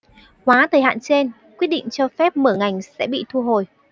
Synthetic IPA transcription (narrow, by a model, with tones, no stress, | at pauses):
hwaː˨˦t̪ʰəː˨˩jɦa̰ː˧˨nt͡ɕe˧n | kwi˦˥ət̚ɗḭ˧˨ŋ̟t͡ɕɔ˧fɛ˦˥p̚məː˧˩ŋa˨˩jŋ̟sɛ̰˧˥ɓḭ˧˨t̪ʰu˧ɦo˨˩j